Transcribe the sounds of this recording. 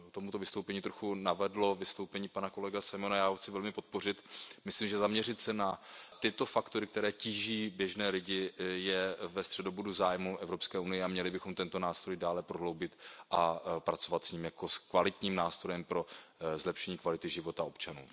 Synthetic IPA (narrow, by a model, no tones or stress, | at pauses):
kt̪o̞mut̪ovɪst̪owpɛɲiːt̪ɾoxunavɛdlo̞vɪst̪owpɛɲiːpanako̞lɛɡasajmonajaːoxt͡sɪvɛlmɪpo̞t̪̚po̞rɪt̪mɪslimʒɛzamɲɛrɪt̪sɛnat̪ɪt̪o̞fakt̪oɾɪkt̪ɛɾɛːciːʒiːbjɛʒnɛːlɪɟɪjɛvɛst̪r̝̥ɛdobuduzaːjmuʔɛvɾo̞pskɛːʔunɪjɛamɲɛlɪbɪxo̞mt̪ɛnt̪o̞naːst̪ɾo̞jdaːlɛpɾo̞ɦlo̞wbɪt̪ʔapɾat͡so̞vat̪sɲiːmjako̞skvalɪt̪ɲiːmnaːst̪ɾo̞jɛmpɾo̞zlɛpʃɛɲiːkvalɪt̪ɪʒɪvo̞t̪ao̞pt͡ʃanuː